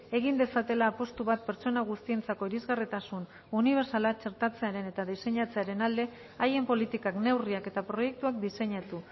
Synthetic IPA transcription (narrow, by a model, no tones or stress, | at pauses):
e̞ɣ̞ind̪e̞sat̪e̞laːpo̞st̪uβat̪̚pe̞ɾt͡ʃo̞naɣ̞ust̪ie̞nt͡sako̞iɾizɣarit̪asun | uniβ̞e̞ɾsalat͡ʃe̞ɾt̪at͡se̞aɾe̞ne̞t̪aðise̞ɲat͡se̞aɾe̞nald̪e̞ | aje̞mpo̞lit̪ikakne̞wriake̞t̪apɾo̞je̞k̚t̪uak̚d̪ise̞ɲat̪u